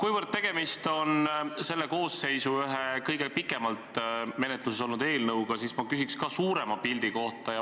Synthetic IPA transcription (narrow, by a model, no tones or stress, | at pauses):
kujvərd̪̚t̪e̞ɡ̥e̞mist̪o̞nse̞lːe̞ko̞ːsːe̞jsuyɦekɤjɡe̞pikːˑe̞mɑlt̪me̞ne̞t̪ˑluseso̞lnud̪e̞ːlnɤwɡɑsismɑkysikskɑsuːɾe̞mɑpild̪̥iko̞ht̪ˑɑjɑ